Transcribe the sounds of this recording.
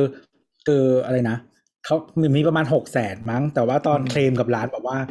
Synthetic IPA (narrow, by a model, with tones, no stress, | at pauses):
ɯː˧ | ʔɯː˧ʔa˧ɾa˧jna˦˥ | kʰa˦˥wmi˨˩miː˧pɾa˧maː˧nɦo˨˩k̚sɛː˨˩˦t̪̚ma˦˥˩ŋt̪ɛː˨˩waː˥˩t̪ɔː˧nkʰleː˧mka˨˩p̚ɾaː˦˥nbɛː˨˩p̚waː˥˩